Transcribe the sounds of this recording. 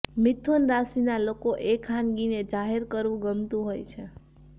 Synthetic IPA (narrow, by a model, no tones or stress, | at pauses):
mɪt̪ʰonɾasinalokoʔekʰːanɡined͡ʒaɦeɾkəɾʋũɡəmt̪ũɦojt͡ʃʰe